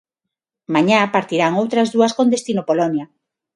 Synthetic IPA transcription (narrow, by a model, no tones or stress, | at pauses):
maɲapaɾt̪iɾaŋowt̪ɾazðuaskond̪est̪inopolɔnja